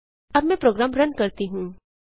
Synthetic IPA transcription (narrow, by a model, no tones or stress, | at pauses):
ɐbmɛ̃pɾoːɡɾaːmɾɐnkɐɾt̪iɦũː